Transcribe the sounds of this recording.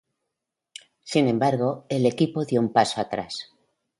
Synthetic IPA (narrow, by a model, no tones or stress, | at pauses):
sinẽ̞mbaɾɣo̞e̞le̞kipo̞ðjoumpaso̞at̪ɾa̰s